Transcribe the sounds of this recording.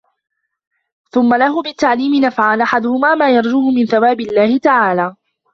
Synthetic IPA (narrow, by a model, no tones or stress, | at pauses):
θʊmːalahʊːmɪt̪ːaʕliːmɪnafʕanʔaħad̪ʊhʊmaːmaːjɑɾˤd͡ʒuːhʊmɪnθawaːbɪlːaːhɪt̪aʕaːlaː